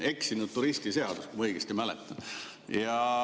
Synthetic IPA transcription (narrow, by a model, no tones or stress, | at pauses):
e̞ksinud̥̪̚t̪uɾist̪ise̞ɑd̪̥uskumɤjɡ̥est̪imælɛ̰t̪ːˑɑ | jɑ